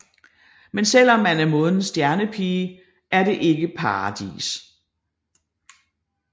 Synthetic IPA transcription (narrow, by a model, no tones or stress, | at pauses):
mensel̰ɒ̽mːænæɐmɔ̽ðˠn̩sd̥jæɐnəpʰiː | ʔæɐde̝ʔe̝ɡ̥əpʰɑ̈ɑd̥ḭːs